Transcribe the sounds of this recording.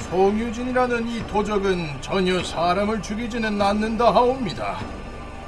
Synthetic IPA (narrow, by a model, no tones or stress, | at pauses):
sʰoŋjud͡ʑiɲiɾanɯnitʰod͡ʑʌɡɯnt͡ɕʌɲʌsʰaːɾamɯɭt͡ɕuɡid͡ʑinɯnːanːɯndaɦaomɲida̰